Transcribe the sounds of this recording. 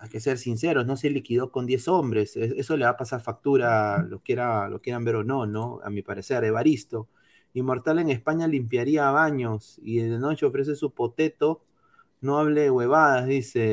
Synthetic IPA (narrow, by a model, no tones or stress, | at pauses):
ajke̞se̞ɾsins̬e̞ɾo̞sno̞se̞likiðo̞ko̞nd̪je̞so̞mbɾe̞seeso̞leβapasaɾfak̚t̪uɾalokje̞ɾalʔokje̞ɾambe̞ɾo̞no̞no̞a̰mipaɾe̞se̞ɾeβaɾist̪o̞ | imo̞ɾt̪ale̞ŋespaɲalimpjaɾiaβaɲo̞siðenot͡ʃeo̞fɾe̞s̬e̞supo̞t̪e̞t̪o̞ | noaβleɣweβ̞aðaðise̞